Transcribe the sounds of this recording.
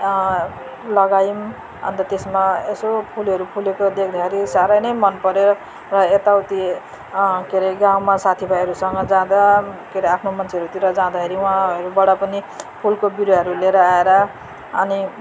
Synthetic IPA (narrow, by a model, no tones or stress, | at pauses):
lʌɡajim | ʌ̰nt̪ʌt̪esmaesopʰulɦʌɾupʰulekod̪ekʰd̪axʰeɾisaɾʌjnʌjmʌnpʌɾeɾʌ | rʌet̪awt̪i | keɾeɡãwmasat̪ʰibʱʌjeɦʌɾusʌŋɡʌd͡zãd̪akeɾeapʰnomʌnt͡sʰeʌɾut̪iɾʌd͡zãd̪axeɾiũɦãʌɾubʌɽapʌnipʰulkobiɾjʌɦʌɾuleɾʌaeɾa | ʌni